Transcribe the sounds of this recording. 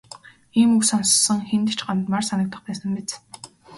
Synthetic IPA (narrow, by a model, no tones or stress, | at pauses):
iːmuksɔnssɞ̆ŋxent̪ɘ̆t͡ɕɢant̪marsanə̆k̚t̪ə̆χpæːsə̆mpet͡s